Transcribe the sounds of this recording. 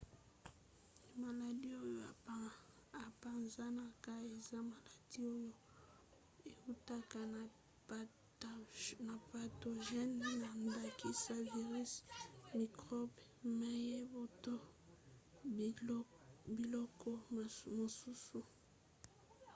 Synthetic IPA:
ma˨la˨di˦o˦jo˦a˨ | a˨pa˨nza˦na˨ka˦e˨za˦ma˨la˨di˦o˦jo˦ | e˨u˦ta˦ka˨ | na˨pa˨to˨ʒɛ˦nna˨nda˨kʰi˨sa˦vi˨ʁi˦smi˨kʁɔ˦bma˦je˦bo˨to˦ | bi˨lɔ˦kɔ˦˨mo˨su˦su˨

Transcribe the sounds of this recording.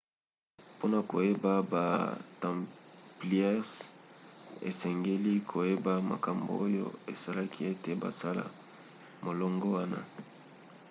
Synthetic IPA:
po˦na˨ko˨je˦ba˦ba̰˨tã˨mpli˦ɛ˦ʁs | ḛ˨sɛ˨ŋɡe˦li˦kʰo˨je˦ba˦ma̰˨ka˨mbo̰˨o˦jo̰˦e˨sa˦la˦kʰi˦e˦te˨ba̰˨sa˦la̰˨ | mo˨lɔ˦ŋɡɔ˦wa˦na̰˦

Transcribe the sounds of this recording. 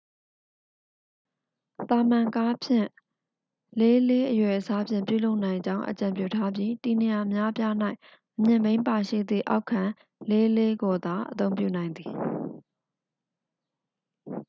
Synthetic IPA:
t̪a˨mã˨ŋka˦pʰjɪ̰̃˦˨ | le˦le˦ʔəjwɛ˨ʔəsa˦pʰjɪ̰̃˦˨mpjṵ˦˨lo˦ʊʔnã˨ɪ̃ɲd͡ʑã˦ʊ̃ʔə̰t͡ɕã˨mpjṵ˦˨tʰa˦bji˦ti˨ne˨ja˨əmja˦ʔəpja˦na˦ɪʔ | ʔəmjɪ̃˨mẽ˦ɪ̃mpa˨ʃḭ˦˨d̪ðḭ˦˨ʔa̰˦ʊkʰːã˨ | le˦le˦ɡo˨d̪a˨ʔət̪õ˦ʊ̃mpjṵ˦˨nã˨ɪ̃nd̪i˨

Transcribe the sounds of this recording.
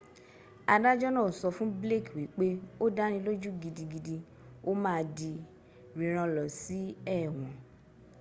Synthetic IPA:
a˧da˦d͡ʒɔ˦nɔ̃˦˨sɔ˧fũ˦ble˦˨kwi˨˦k͡pe˦o˦da˦ɾ̃ĩ˧lo˦d͡ʒu˦ɡi˧di˧ɡi˧di˧ | o˦mãː˦di˧ | ɾĩ˨ɾ̃ã˧lɔ˨si˨˦ɛ˦˨w̃ɔ̃˨

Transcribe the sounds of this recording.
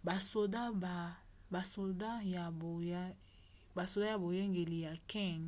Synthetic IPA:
ba˨so˨da˦ba˨ | ba˨so˨da˦ja˨o˨˦ | ba˨so˨da˦ja˨bo˨je˦ŋɡe˨li˨ja˨kɛ˦˨ŋ

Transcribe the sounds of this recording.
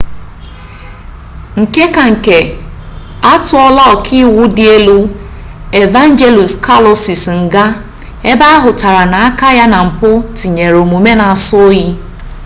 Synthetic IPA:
ŋ̩˨ke˦ka˨ŋ̩˨ke˨ | a˦tʊ˨ɔ˦la˦ɔ˨kʰi˦wʊ˦dɪ˦e˦lu˦ | e˨va˦n˦d͡ʒe˦lu˨ska˦lɔ˨si˨sŋ̩˨ɡa˦ | e˦ba˦a˦ɦʊ˨ta˨ɾa˨na˨a˦ka˦ja˦na˨m̩˨pʊ˦ti˨ɲe˨ɾo˨mu˨me˦na˨a˨sʊ˦ji˦

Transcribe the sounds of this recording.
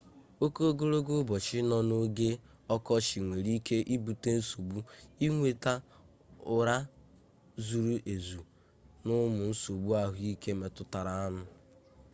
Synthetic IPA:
o˦ko˦ɡo˦ɾo˦ɡo˦bɔ˨t͡ʃɪ˦nɔ˦no˦ɡe˦ | ɔ˦kɔ˦ʃi˨ŋʷe˨ɾi˦ke˦ʔi˦bu˨te˦n̩˦so˨bu˦i˦ŋʷe˨ta˦ | ʊ˨ɾa˦ | zu˨ɾu˦ʔe˨zu˨ | nʊ˦mʊ˨n̩˦so˨bu˦a˦ɦʊ˦i˦ke˦me˨tʊ˦ta˨ɾa˨a˦nʊ˨

